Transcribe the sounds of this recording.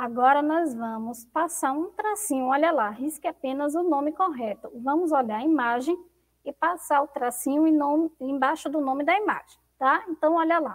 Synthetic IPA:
aɡɔɾɐnɔzvɐ̃mʊspasaɾũt̪ɾasĩɲʊɔʎɐlaɦiskɪapẽnɐzʊnõmɪkoɦɛt̪ʊvɐ̃mʊzoʎaɾɐimaʒẽj̃ | ɪpasaɾʊt̪ɾasĩɲʊẽnõmẽj̃bajʃʊd̪ʊnõmɪd̪ɐima̰ʒ̥ẽj̃t̪aẽnt̪ɐ̃w̃ɔʎɐla

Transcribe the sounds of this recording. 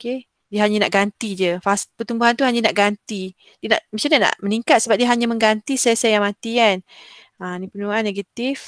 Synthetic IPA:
oke | diəɦaɲanaʔɡant̪id͡ʒəfaspərt̪umbuɦant̪uɦaɲanaʔɡant̪i | diəna̰ʔmĩt͡ʃalɲana̰ʔməniŋkat̪̚səbap̚diəɦaɲaməŋɡant̪isajsajaŋmat̪ian | anipənuanːeɡat̪if

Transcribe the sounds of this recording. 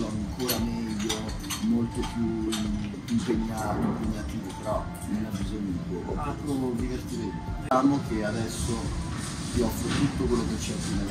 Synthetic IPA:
laaŋkʰoːɾamɛːʎːo | molt̪opju | impeɲːaːimpeɲːat̪iːvopeɾɔ | nonabːizoɲːokol̰alt̪ɾoviveɾt̪iɾenot͡ʃaːmokead̪ɛsːo | siɔfot̪ut̪ːokwelːoket͡ʃːɛafine

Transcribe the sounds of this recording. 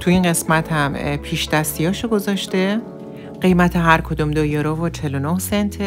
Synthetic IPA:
t̪ʰuinɢe̞smæt̪ʰhæmpʰiːʃd̪æst̪ijɒːʃoɡo̞zɒʃt̪e | ɢ̥e̞jmæt̪ʰeɦæɾkʰod̪umd̪ojɒɾovot͡ʃʰe̞lonohsent̪ʰe

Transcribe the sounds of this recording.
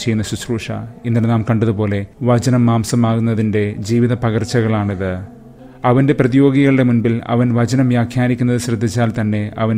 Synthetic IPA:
t͡ɕe̞jːunːɐsusruːʂɐ̰inːɐɽenaːmkɐɳɖɐðupo̞ːle̞ʋɐd͡ʑɐnɐmːaːmsɐmaːɣunːɐðinde̞d͡ʑiːʋiðɐpɐɣɐrt͡ɕːɐɣɐɭaːɳiðɨ | ɐʋɐnde̞prɐðijo̞ːɡiɣɐɭɨɽe̞munbilɐ̰ʋɐnʋɐd͡ʑɐnɐmʋjaːkʰjaːnikʲːunːɐðɨɕrɐd̪ʱːit͡ɕːaːlt̪ɐnːe̞ɐʋɐn

